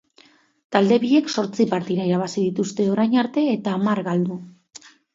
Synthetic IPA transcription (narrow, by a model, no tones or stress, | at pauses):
t̪ald̪e̞βiʎe̞kso̞ɾt͡sipaɾt̪iɾaiɾaβ̞asið̞it̪ust̪e̞o̞ɾajɲaɾt̪e̞ːt̪aːmaɾɣald̪u